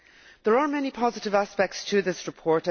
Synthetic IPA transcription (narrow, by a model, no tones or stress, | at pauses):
ðə˞ə˞mɛnipʰɑzɪɾɪvaspɛk̚tstʰəðɪsɹɨpʰɔɹɾ̃